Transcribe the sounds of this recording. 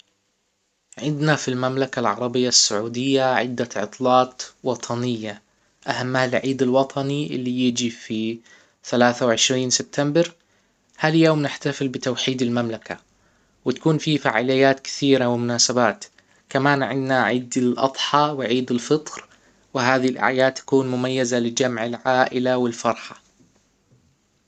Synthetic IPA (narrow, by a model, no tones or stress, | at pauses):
ʕɪnd̪nafilmamlakalʕɑɾˤɑbɪjːasːaʕuːd̪ɪjːaʕɪ̰d̪ːaʕɨ̰t̪ˤlɑːt̪wɑt̪ˤʰɑnɪjːa | ʔahamːaalʕiːd̪ɪlwɑt̪ˤʰɑniʔɪlːijɪd͡ʒifi | θalaːθawʕɪʃɾiːnsɪb̚t̪ʰambɪɾ | haljoːmnɪħt̪afɪlbɪt̪awħiːd̪ɪlmamlaka | wɪt̪ḁkuːnfifaʕaːlɪjːaːt̪kɪ̥θiːɾawɪmʊnaːsabaːt̪ | kamaːnʕɪ̰nnaʕiːd̪ɪlʔɑ̰d̪ˤħɑwɪʕiːd̪ɪlfɨt̪ˤɾ | wɪɦaːðilʔa̰ʕjaːd̪̚t̪ːḁkuːnmʊmajːazalɪd͡ʒamʕɪlʕaːʔɪlawɪlfɑɾˤħɑ̥